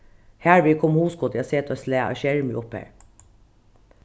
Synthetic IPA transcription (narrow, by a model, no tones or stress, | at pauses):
hæːɹʋɪːkʰɔmhuːskʰɔt̪ɛɑseːt̪oːslæːɑ̰ʃɛɹmiɔphæ̰ːɹ